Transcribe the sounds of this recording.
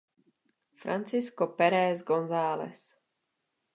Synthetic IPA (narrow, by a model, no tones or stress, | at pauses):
fɾa̰nt͡sɪskopɛɾɛzɡonzaːlɛ̰s